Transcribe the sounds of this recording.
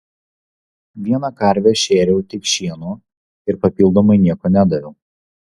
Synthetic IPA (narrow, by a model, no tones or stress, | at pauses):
ʋʲiɛnɐkɐɾʲʋʲɛʃʲeːɾʲɛʊt̪ʲɪkʃʲiɛnuː | ɪɾpɐpʲilˠd̪oːmɐɪnʲiɛkoːnʲæd̪ɐʋʲɛʊ